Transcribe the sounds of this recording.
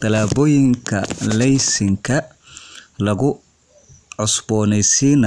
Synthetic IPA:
t̪ʰɐlaːbɔːjɪŋkʰɐ̰lɛjsɪŋkʰɐ | lɐɣʊ | ʕɔsbɔːnɛjsiːnɐ

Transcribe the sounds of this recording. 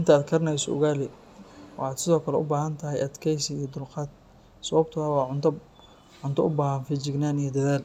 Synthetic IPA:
ɪnt̪ʰɐːd̪kʰɐɾɐnɛjsɔ̰ʊ̰ɣaːlɪ | wɑ̰ħɑːd̪sɪðɔːkʰɐlɛʔʊ̰baːɦɐnt̪ʰɐɦɛjʔɐd̪kʰɛjsɪijɞd̪ʊlqɑːd̪̚ | sɐβɐb̚t̪ʰʊɐwɑʕt̪ | ʕʊnt̪ʰɐʊbaːɦɐnfɪt͡ʃɪɡnaːnijɞd̪ɐðaːl

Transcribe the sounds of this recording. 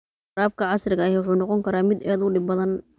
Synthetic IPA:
ɾaːb̚kʰɐʕɑsrɪɣɐhɛwʊħuːnɑqɔŋkʰɐɾaːmɪd̪ɛːðʊɖɪbbɐðɐn

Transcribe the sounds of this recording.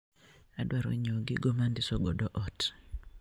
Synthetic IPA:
adwaɾo̰ɲoɡɪɡomandɪsoɡɔdɔʔɔt

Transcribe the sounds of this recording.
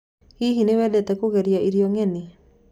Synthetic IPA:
hiɦinewɛdɛtɛkoɣɛɾiaiɾiɔŋɛni

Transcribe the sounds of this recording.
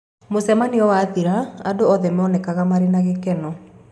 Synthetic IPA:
mosɛmaniɔwaːðiɾaadoɔðɛmɔnɛkaɣamaɾenaɣekɛnɔ

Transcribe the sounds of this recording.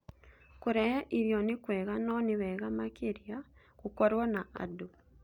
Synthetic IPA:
kuɾɛʔiɾjɔnikwɛːɣanɔniβɛɣamakeɾja | kukɔɾwɔnaa̰du

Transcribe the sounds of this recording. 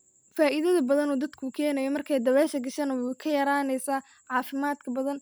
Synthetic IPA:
faːʔɪðɐðɐbɐðɐnuːd̪ɐd̪kʰʊkʰɛːnɐjɔmɐrkʰɛjd̪ɐβɛːʃɐɡɐʃɐnɐwkʰɐjɐɾaːnɛjsaː | ʕɑːfɪmaːd̪kʰɐbɐðɐn

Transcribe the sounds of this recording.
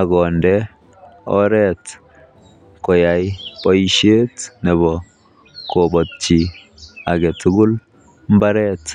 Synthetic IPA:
aɡɔndɛ | ɔɾɛt | kɔjajpɔjʃetnɛbɔ | kobɔtt͡ʃi | aɡɛtʰuɡʊl | mbaɾɛt

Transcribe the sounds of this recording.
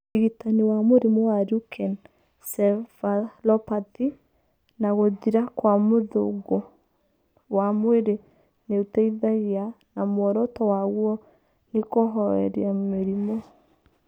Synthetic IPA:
eɣitaniwamoɾimowaɾukʰɛn | sɛfalɔpati | naɣoðiɾakwamoðoɡo | wamweɾe | neutɛiðaɣea | namwɔɾɔtɔwaɣwɔ | nekoɦɔɛ̰ɾjameɾimɔ

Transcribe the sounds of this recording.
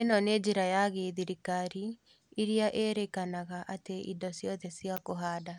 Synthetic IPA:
enɔned͡ʑiɾajaɣeðiɾikaɾi | iɾiaʔeɾekanaɣaʔateḭndɔsjɔðɛsiakoɦaːda

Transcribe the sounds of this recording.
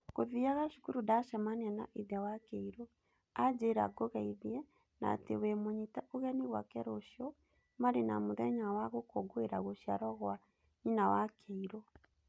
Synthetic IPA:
ɣkoðiaɣaʃukuɾudaʃamaniana̰ʔiðawakɛiɾɔ | ad͡ʒeɾa̰ɡoɣaiðjɛ | na̰tḛwɛmoɲitaʔoɣɛniɣwa̰kɛɾɔʃɔ | maɾena̰muðɛɲawaɣokɔɡoeɾaɣoʃiaɾɔɣa | ɲinawakʰeiɾɔ

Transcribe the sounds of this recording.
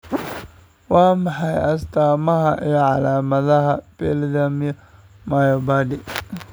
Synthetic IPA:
wɑːmɑħɑjɐst̪ʰaːmɐɦɐʔijɔʕɑlaːmɐðɐɦɐb̥ɛld̪ɐmjɔ | mɐjɔbaːd̪ɪ

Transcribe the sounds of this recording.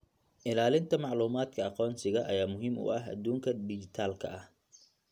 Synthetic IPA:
ʔɪlaːlɪnt̪ʰɐmɑʕluːmaːd̪kʰɐɑqɔːnsɪɣɐʔɐ̰jaːmʊɦimʊ̰ɐɦɐ̰d̪uːŋkʰɐɖɪd͡ʒɪt̪ʰaːlkʰɐ̰ʔɐh

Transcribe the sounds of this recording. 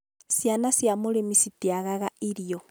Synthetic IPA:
sjanasjamulemisitiaɣaɣaiɾijo

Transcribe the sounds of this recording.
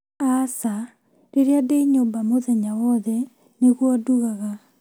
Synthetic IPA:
asa | ɾeɾeadeɲombamoðɛɲawɔðɛ | neɣwɔduɣaɣa

